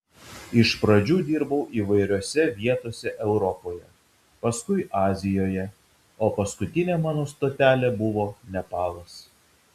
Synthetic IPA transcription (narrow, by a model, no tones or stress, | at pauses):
ɪʃpɾɐd͡ʒʲuːd̪ʲiːɾbɐʊʔiːʋɐɪɾʲoːsʲɛʋʲiɛt̪oːsʲɛʔɛʊɾɔpoːjɛ | pɐskʊɪʔɑːzʲɪjoːjɛ | oːpɐskʊt̪ʲɪnʲeːmɑːnoːst̪oːt̪ʲæːlʲeːbʊʋoːnʲɛpɑːlˠɐs